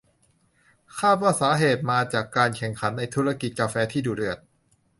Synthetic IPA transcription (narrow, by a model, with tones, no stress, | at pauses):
kʰaː˥˩t̪̚waː˥˩saː˩˦ɦeː˨˩t̪̚maː˧t͡ɕaː˨˩kːaː˧nkʰɛ˨˩ŋkʰa˩˦˥nːa˧jt̪ʰuː˦˥ɾa˧ki˨˩kaː˧fɛː˧t̪ʰiː˥˩duː˨˩ɾɯ˨˩ət̪̚